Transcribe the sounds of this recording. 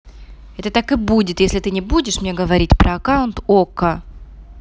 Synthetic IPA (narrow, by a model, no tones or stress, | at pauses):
ɛt̪ət̪akɨbudʲɪt̪jesʲlʲɪt̪ɨnʲɪbudʲɪʂmnʲe̞ɡəvɐɾʲitʲpɾəɐkaʊnt̪okə